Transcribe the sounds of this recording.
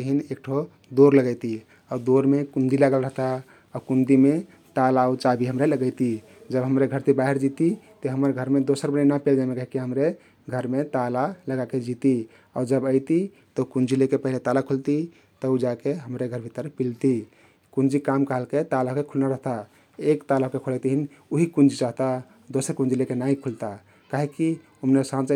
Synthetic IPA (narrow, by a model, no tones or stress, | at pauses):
əɦinek̚ʈʰo | d̪oɾləɡəjt̪i | ad̪oɾmekund̪ilaɡəlɾəɦt̪a | akund̪ime | t̪alaut͡ʃabʱiɦəmɾeləɡəɪt̪i | d͡ʒəbɦəmɾeɡʱəɾt̪ibaɦiɾd͡ʒit̪it̪ɔɦəməɾɡʱəɾmed̪osəɾbənnapeld͡ʒamekəɦikeɦəmɾe | ɡʱəɾmet̪alaləɡaked͡ʒit̪i | aɾd͡ʒəbəɪt̪i | t̪əukund͡ʒilekepəɦilet̪alakʰult̪i | t̪əud͡ʒakeɦəmɾeɡʱəɾbʱit̪əɾpilt̪i | kund͡ʒikamkaɦəlket̪alakekʰulnaɾəɦt̪a | ekt̪alakekʰult̪iɦin | uɦikund͡ʒit͡ʃaɦt̪a | d̪osəɾkũnd͡ʒilekenaikʰult̪a | kaɦeki | umnesãt͡ʃ